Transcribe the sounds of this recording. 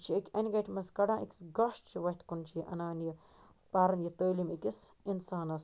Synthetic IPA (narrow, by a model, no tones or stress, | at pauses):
t͡ʃʰiɐkʲɐnʲɡɐʈʰʲmɐskɐɽãːʔikʲsɡɐʃʈt͡ʃʰiʋɐt̪kunt͡ʃʰijiʔɐ̰naːnji | paːɾɐnjit̪əːlimikʲisinsaːnɐs